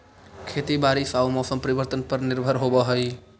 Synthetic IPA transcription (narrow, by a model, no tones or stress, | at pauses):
kʰet̪ibaɾisaumɔsəmpəɾibəɾt̪ənpəɾniɾbʱəɾɦobəɦəj